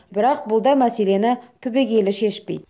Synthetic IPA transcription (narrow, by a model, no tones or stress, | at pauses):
bɪɾɑq̚bʊlˠd̪ɑjmæse̞le̞nɪt̪ʰɵbe̞ɡʲe̞lɪʃe̞ʃpe̞̰jd̪